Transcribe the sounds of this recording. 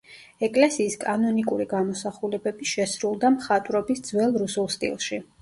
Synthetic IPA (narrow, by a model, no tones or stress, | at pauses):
ɛkʼlɛsiːskʼanɔnikʼuɾiɡamɔsaχulɛbɛbiʃɛsɾulˠd̪amχat̪ʼɾɔbisd̪zwɛlˠɾusulˠst̪ʼḭlˠʃi